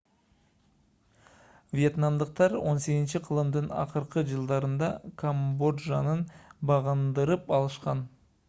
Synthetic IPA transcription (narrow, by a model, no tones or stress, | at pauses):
vje̞t̪namd̪əq̚t̪ɑɾo̞̰nse̞ɡ̪ʲɪnt͡ʃiqʰəlˠɯmd̪ɯnɑ̰qəɾqəd͡ʒɯlˠd̪ɑɾɯnd̪ɑkʰambo̞dʒɑnənbɑʁənd̪əɾɯpɑlˠɯʃqɑn